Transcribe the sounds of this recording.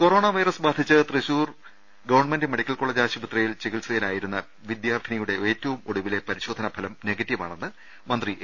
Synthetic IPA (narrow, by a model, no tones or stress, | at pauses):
ko̞ɾo̞ːɳɐʋɐjrɐsbaːd̪ʱit͡ɕːɨt̪riɕuːr | ɡɐʋɐrɳmendɨme̞ɽikʲːɐlkoɭːɐd͡ʑaːɕɐbut̪rɐjilt͡ɕeɣilsɐjilaːjiɾunːɐ | ʋid̪jaːrd̪ʱinijuɽe̞eːtːɐʋumoɽuʋile̞pɐɾiɕoːd̪ʱɐnɐbʱɐlɐmne̞ɡɐtːiʋa̰ːɳenːɨ | mɐnd̪ri